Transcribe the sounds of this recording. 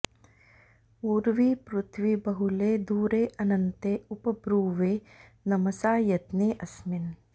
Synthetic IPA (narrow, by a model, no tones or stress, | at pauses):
uːɾʋiːpɾʊt̪ʰʋibɐɦʊleːd̪uːɾeːʔɐnɐnt̪eupɐbɾuːʋeː | nɐmɐsaːjɐt̪neːʔɐsmɪn